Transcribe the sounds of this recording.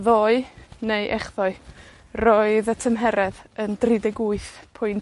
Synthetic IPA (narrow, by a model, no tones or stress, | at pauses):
ðoːɨnejʔɛχðɔɨ | roːɨðətʰəmɦɛɾɛðəndrɪdɛɡuɨθpʰʊjn